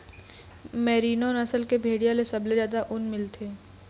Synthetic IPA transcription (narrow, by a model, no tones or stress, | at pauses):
mɛɾiːnonɐsəlkebʱeːɽijãlesɐblezaːd̪aʔʊnmɪlt̪ʰeː